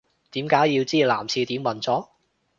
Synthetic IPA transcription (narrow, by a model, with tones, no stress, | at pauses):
t̪iː˨˥mkaː˨˥jji˧wt͡siː˥la̰ː˨˩mt͡sʰiː˧t̪iː˨˥mwɐ˨˩nt͡sɔː˨˥